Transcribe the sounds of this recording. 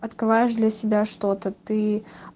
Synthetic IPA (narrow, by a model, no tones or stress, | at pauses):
ɐt̪kɾɨvajɪʂd̪lʲɐsʲɪbʲaʂt̪o̞t̪ət̪ɨ